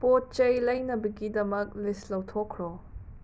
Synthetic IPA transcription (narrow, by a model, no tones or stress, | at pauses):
pot̚t͡ʃɐjlɐjnɐbɐɡidɐmɐk̚lislɐwtʰɔkʰɾo